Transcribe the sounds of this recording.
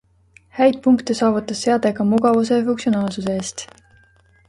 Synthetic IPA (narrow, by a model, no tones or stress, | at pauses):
hæjd̪̥̚puŋkt̪esɑːvut̪ːˑɑsːe̞ɑd̪̥e̞ɡ̥ɑmuɡ̥ɑvuse̞fuŋksionɑːlsus̬eeːst̪